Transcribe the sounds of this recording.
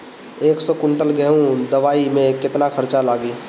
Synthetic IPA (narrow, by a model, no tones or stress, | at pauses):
eːksɔkʊɳʈəlɡɛɦũd̪ɐʋaːimẽkɪt̪nakʰɐɾt͡ʃalaːɡiː